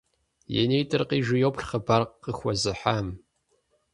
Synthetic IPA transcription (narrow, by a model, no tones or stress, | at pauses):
jɛ̰nejtʰʼɨrqiːʒɪjowpɬχəbaːrqːəxʷɔzɨħaːm